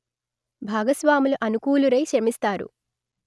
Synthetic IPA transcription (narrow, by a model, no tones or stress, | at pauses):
bʱaːɡɐsʋaːmuluʔɐnukuːluɾɐjʃɐmist̪aːɾṵ